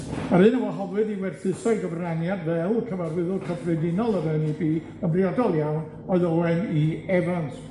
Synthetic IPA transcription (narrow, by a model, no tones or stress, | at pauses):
maɾɨnəmɔɦɔvɨdiwɛd̥θɨsajɡɔvranjadvɛlˠkʰəvarwɪðʊkʰəbʰrɛdɪnɔlˠəvɛwnibiː | əmbriadɔlˠjawn | ɔɨðɔlɾɛniɛvans